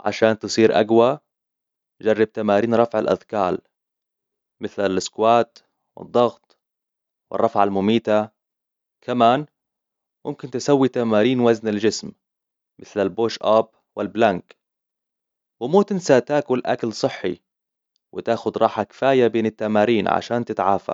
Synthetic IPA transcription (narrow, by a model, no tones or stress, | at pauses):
ʕa̰ʃaːnt̪ɨsˤiːɾʔa̰ɡwa | d͡ʒɑrˤːɑb̚t̪amaːɾiːnɾˤɑfʕalʔa̰ðkaːl | mɪθlalɪskwaːt̪ | wɪ̰d̪ˤːɑɣt̪ˤ | wɪ̰rˤːɑfʕalmʊmiːt̪a | kʰamaːn | mʊmkɪnt̪ɪsawːit̪amaːɾiːnwaznald͡ʒɪsm | mɪθlalboːʃʔab | wɪlblaŋk | wɪmuːt̪ɪnsat̪aːkwɪlʔakalsˤɨħːḭ | wɪt̪aːxʊd̪ɾˤɑːħakɪ̥faːjabeːnɪt̪ːamaːɾiːnʕa̰ʃaːnt̪ɪt̪ʕaːfa̰